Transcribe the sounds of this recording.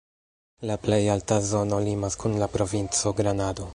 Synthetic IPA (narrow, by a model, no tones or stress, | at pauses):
laple̞jaltazo̞no̞limaskunlapɾo̞vint͡so̞ɡɾanado̞